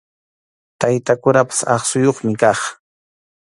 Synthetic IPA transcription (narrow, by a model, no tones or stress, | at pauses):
t̪ajt̪akʊnapḁsɑχsʊjoχmɪkɑχ